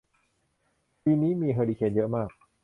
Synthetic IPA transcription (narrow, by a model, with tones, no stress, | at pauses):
piː˧niː˦˥miː˧ɦɤː˧liː˧kʰe˧njɤ˦˥ʔmaː˥˩k̚